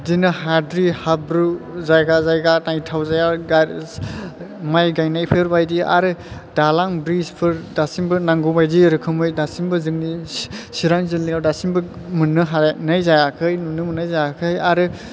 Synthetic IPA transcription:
dinɯhadɾihabɾuzajɡazajɡanajtʰawzajaɡa | majɡajnajpʰɯɾbajdia̰ɾɯd̥alaŋbɾispʰɯɾdasiŋbɯnaŋɡubajdiɾɯkʰɯmɯjdasiŋbɯzɯŋnisiɾaŋzilːiawdasiŋbɯ | mɯnːɯɦanajzajakʰɯjnunɯmɯnajzajakʰɯjaɾɯ

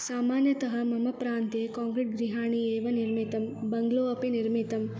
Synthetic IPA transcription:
saːmaːnjɐt̪ɐɦɐmɐmɐpɾaːnt̪ekaːŋkɾeʈ̚ɡɾiɦaːɳieːʋɐniɾmit̪ɐmbɐŋɡloːɐpiniɾmit̪ɐm

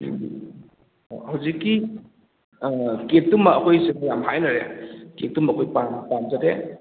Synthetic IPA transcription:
hawzikːi | ket̚tumːɐːkʰojseŋajamɦajnɐɾḛkek̚tːumɐkʰojpampamd͡ʒade

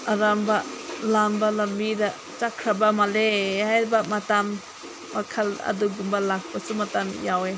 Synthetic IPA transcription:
aɾambɐlambɐlɐmbidɐ | t͡ʃakʰɾabɐmalehajɾbɐmatamː | akʰɐlɐ̰duɡumbɐlak̚pɐsumatamjawe

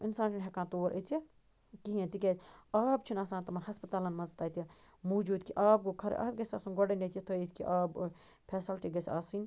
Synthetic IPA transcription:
insãːnt͡ʃʰunɦɛkãːt̪oːɾʔət͡si | kiɦẽt̪ikʲet̪ʲaːbt͡ʃʰinaːsãːnt̪ɐmɐnhɦɐspɐt̪aːlɐnmɐzɐt̪aːt̪ɐ | muːd͡ʒuːd̪kiʔaːb̚ɡokʰɐɾḛʔɐ̰t̪̚ɡɐsʲa̰ːsunɡoɖenet̪iit̪ʰəit̪ʰʲkḭʔaːb | pʰɛːsɐlʈiɡɐsʲaːsin

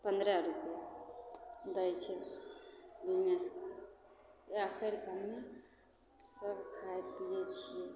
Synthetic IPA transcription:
pənd̪ɾaɾupja | d̪əjt͡ʃʰɛ | bineska | əpʰeɾkamːe | səbkʰaepiet͡ʃʰije

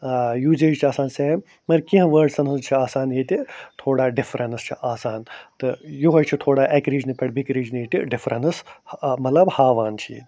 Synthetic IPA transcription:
juːd͡ʒeːd͡ʒt͡ʃʰiaːsaːnseː | mɐɾkĩɦɐ̃ʋɐːɾɖsɐnɨst͡ʃʰiaːsaːnɦeːt̪ʲit̪ʰoːɽaːɖifɾɐnst͡ʃʰiʔaːsaːnt̪ɨjuɦojt͡ʃʰit̪ʰoːɽaːʔekɾiːd͡ʒnipʲɐɽbikɾiːd͡ʒniːt̪iɖifɾɐnɨsmɐt̪lɐbhaːʋaːnt͡ʃʰiḛːt̪ʲ

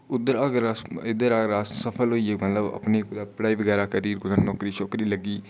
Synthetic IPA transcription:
ʊd̪əɾaɡɾaɪd̪əɾaːɡɾaːssəpʰəlɦoːiːemət̪ləbɐ̰pneːkʊd̪aːpɽaːiːʋəɡɛːɾaːkəɾiːɾɡʊzənnɔːkɾiːt͡ʃʰoːkɾiːləɡiː

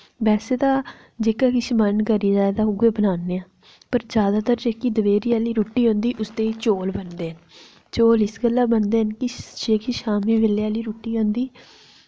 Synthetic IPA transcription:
bɛːseːd̪aː | d͡ʒeːkaːkɪʃmənkəɾiːd͡ʒaːed̪aːʊɡeːbənaːnːeːãː | pəɾd͡ʒjaːd̪aːt̪əɾd͡ʒeːkiːd̪əʋeːɾiːaːliːɾoːʈːiːɦõːnd̪iːʔʊst̪eːt͡ʃoːlbənd̪eːɦən | t͡ʃoːlɪsɡəlːaːbənd̪eːənkɪd͡ʒeːkiʃaːmiːʋeleaːliːɾuːʈːiːɦõːnd̪iː

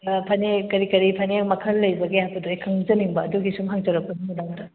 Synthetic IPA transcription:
pʰɐnekɐɾikɐɾipʰɐnemɐkʰɐlːɐjbɐɡejapɐdujkʰɐŋzɐniŋbɐːduɡisumɦaŋt͡ʃɐɾɐk̚pɐnimunamdɐ

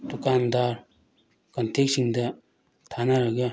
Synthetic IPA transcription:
t̪ukand̪aɹ | kant̪ek̚ɕiŋd̪a | t̪ʰanaɾaka

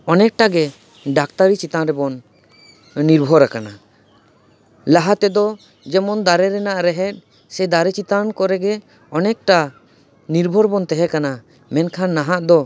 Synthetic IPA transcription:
ɔnɛk̚ʈaɡɛ | ɖakt̪aɾit͡ʃit̪anɾɛbɔnː | iɾbʱɔɾakana | laɦat̪ɛd̪ɔ | d͡ʒɛmɔnd̪aɾɛɾɛnaʔɾɛɦɛt̪̚ˀ | sɛd̪aɾɛt͡ʃit̪ankɔɾɛɡɛ | ɔnɛk̚ʈa | niɾbʱɔɾbɔnt̪ɛɦɛkana | mɛnkʰanːaɦaʔd̪ɔ

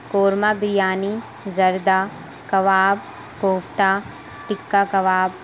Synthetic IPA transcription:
koːɾmaːbɾɪjaːni | zɐɾd̪a | kɐʋaːb | koːpt̪aː | ʈɪkːakɐʋaːb̚

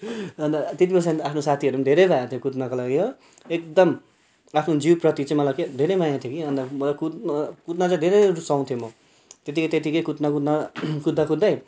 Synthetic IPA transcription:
ʌnd̪at̪it̪ibʌsãapʰnosat̪ʰiʌɾumd̪ʱeɾʌjbʱajãt̪ʰjokut̪nakalaɡiɦo | ek̚d̪ʌm | apʰnod͡ziwprʌt̪it͡saĩmʌlaked̪ʱeɾʌjmajãt̪ʰjokiʌnd̪amʌlakut̪nkut̪nat͡sãd̪ʱeɾʌjɾusaw̃t̪ʰijomʌ | t̪et̪ikʌt̪et̪̬ikʌjkut̪nakut̪nakud̪ʱːakud̪ːaj

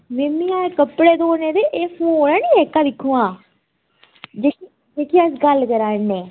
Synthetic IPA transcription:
memiãːekəpɽeːd̪oːneːd̪eːʔeːpʰoːnɛ̃ːniːeːkːãːd̪ɪkʰːuːãː | d͡ʒeːki | d͡ʒeːkiəsɡəlkəɾaːneː

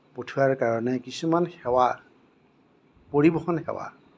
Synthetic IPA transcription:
potʰuaɹkaɹɔnɛkisumanxɛwa | poɹibɔxɔnxɛ̰wa̰

